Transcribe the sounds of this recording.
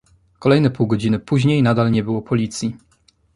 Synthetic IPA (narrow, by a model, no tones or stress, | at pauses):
kɔlɛjnɛpuwɡɔd͡ʑinɘpuʑɲejnad̪alɲɛbɘwɔpɔlʲit̪sʲji